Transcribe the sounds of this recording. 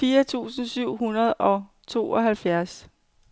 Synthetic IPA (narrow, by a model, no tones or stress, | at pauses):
iːɐt͡sʰṵːsn̩syʊ̰ɦunɐðˠɒ̽ | t͡sʰo̝̰ːʔɒ̽ɦælfjæɐs